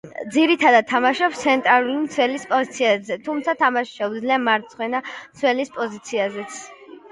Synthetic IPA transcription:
d̪ziɾit̪ʰad̪ad̪̚t̪ʰːamaʃɔpst̪sʰɛnt̪ʼɾalulimt̪sʰwɛlispʼɔzit̪sʰiazɛt̪ʰumt̪sʰat̪ʰamaʃʃɛud̪zliamaɾt̪sʰχwɛnamt̪sʰwɛlispʼɔzit̪sʰiazɛt̪sʰ

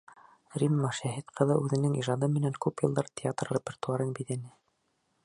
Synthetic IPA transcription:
rimːɑʃæɦit̪qɤ̆ðɤʔʉðɘ̆nɘŋiʒɑd̪ɤmɘ̆næŋkʉpjɤ̆lˠd̪ɑɾt̪ʲʰɪat̪rrʲepʲert̪uɑɾɤnbit̪æ̆nɘ

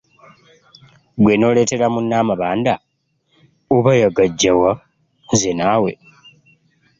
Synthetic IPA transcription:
ɡweno̞ːle̞ːte̞ɾamunːaːmaβaːnda | oβajaɡaɟːawa | zenaːwe̞̰

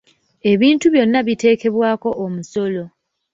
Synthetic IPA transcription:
e̞βiːntuβjo̞nːaβite̞ːke̞βwaːko̞ʔːmuso̞lo̞

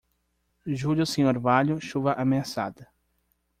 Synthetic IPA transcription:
ʒuljʊsĩɲoɾvaʎʊʃuvɐʔameasa̰d̪ɐ

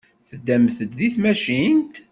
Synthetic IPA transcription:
θəd̪ːæmθət̪ðiθmæʃint̪

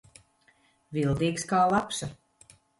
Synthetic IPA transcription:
vilˠd̪iːkskaːlˠapsa

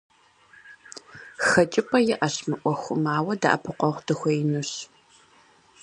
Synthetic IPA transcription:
xɐt͡ʃʼɪpʰʼɐjɪʔɐɕmɨʔʷɔxʷʊmaːwɐda̰ʔɐpʰɨqʷɔʁʷdɨxʷɔjɪnɨɕ

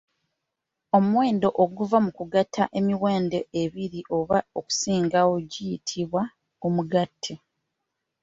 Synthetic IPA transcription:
o̞muwe̞ːndo̞ʔoɡuvamukuɡatʰːaʔe̞miwe̞ːnde̞eβiɾiʔo̞βaoku̥siːŋɡawo̞ɟijitʰiβwa | kumuɡatʰːe

